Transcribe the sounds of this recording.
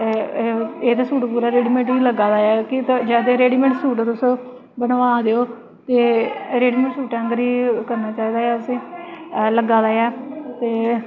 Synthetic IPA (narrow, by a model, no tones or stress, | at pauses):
eːt̪eːsuːʈpuːɾaːɾeːɖiːmẽɳʈiːləɡaːd̪aːɛːkɪt̪d͡ʒɛːd̪eːɾeːɖiːmẽɳʈsuːʈːt̪ʊs | bənʋaːd̪eːoː | t̪eːɾeːɖiːmẽɳʈsuːʈɛ̃ːŋɡɾiːkəɾnaːt͡ʃaːiːd̪aːɛːsĩːləɡaːd̪aːɛːt̪eː